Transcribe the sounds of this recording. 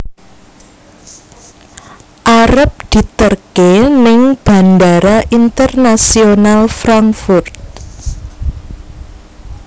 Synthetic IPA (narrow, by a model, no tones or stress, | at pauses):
ʔaɾəp̚d̪̥i̤t̪ərkenɪŋb̥a̤ndaɾaʔint̪ərnasionalfɾaŋkfʊrt̪̚